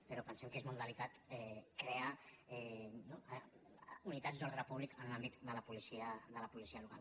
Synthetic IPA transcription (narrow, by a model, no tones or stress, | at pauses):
pəɾɔpənsɛmkezmund̪əlit̪at̪ɛkɾeaɛno | unit̪azd̪ɔɾðɾəpuβlikənlambit̪d̪ələpulisiəd̪ələpulisiəluka̰l